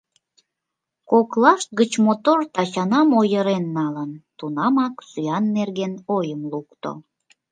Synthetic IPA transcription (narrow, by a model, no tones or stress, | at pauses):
koklɑʃt̪̚ɡət͡ɕmot̪ort̪ɑt͡ɕɑnɑmojəɾenːɑlənt̪unɑmɑksyjɑnːerɣenojəmlukt̪o̰